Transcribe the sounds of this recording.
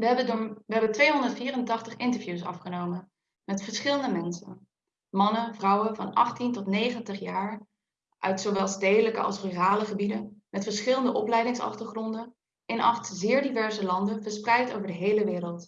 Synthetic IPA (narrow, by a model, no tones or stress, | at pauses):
ʋəɦɛbəntʋejɦɔndətfiːrəntɑχtəχɪntəɹvjusɑ̰fχənowmən | mɛtfəɹsχɪləndəmɛnsə̰n | mɑnənvrɑwənvɑnɑχtintɔtnejχəntəχjaːɹ | ʔœ̰ɥtsowʋɛlˠstejdələkə̰ɑ̰lˠsryraːləχəbidənmɛtfəɹsχɪləndəʔɔplɛjdɪŋsɑ̰χtəɹχrɔndən | ɪnʔɑ̰χtzɪːɹdivɛɹzəlɑndənvəɹsprɛjtowvəɹdəɦejləʋɪːɾəlˠt